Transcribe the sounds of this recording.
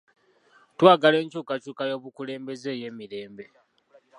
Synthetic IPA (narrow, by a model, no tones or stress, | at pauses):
twaːɡale̞ːɲt͡ʃuːkat͡ʃuːkajo̞ːβukule̞ːmbe̞ze̞ːje̞ːmiɾe̞ːmbe̞